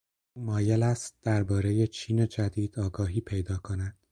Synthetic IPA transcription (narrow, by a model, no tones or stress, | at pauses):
uːmɒːjelæst̪̚d̪̥æɾbɒːɾe̞je̞t͡ʃʰiːned͡ʒæd̪iːd̪̥ɒːɡɒːɦiːpʰe̞jd̪ɒːkʰo̞næd̪̥